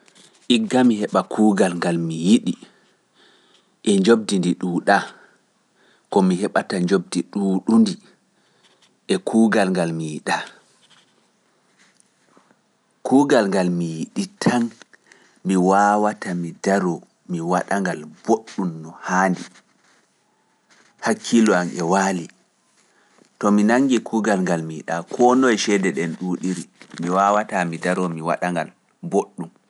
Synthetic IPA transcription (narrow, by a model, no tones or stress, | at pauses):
ʔiɡːamihɛɓakʰuːɡalŋɡalmijiɗi | ʔɛɲd͡ʒob̚dindiɗuːɗa | kɔmiɦɛɓataɲd͡ʒob̚diɗuːɗundi | ʔɛkʰuːɡalŋɡalmijiɗa | kʰuːɡalŋɡalmijiɗitʰan | miwawatamidaɾɔ | miwaɗaŋɡalboɗːumnɔhaːndi | hakʰːilɔamʔɛwaːli | tɔminaŋɡikʰuːɡalŋɡalmiɗa̰kʰɔnɔjʃɛdɛɗɛnɗuːɗiɾimiwawatamidaɾɔmiwa̰ɗaŋɡa̰l | boɗːum